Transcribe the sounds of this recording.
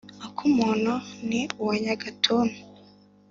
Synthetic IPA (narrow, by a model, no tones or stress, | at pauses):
okʰumunoniuwaɲaɡatʰoːnu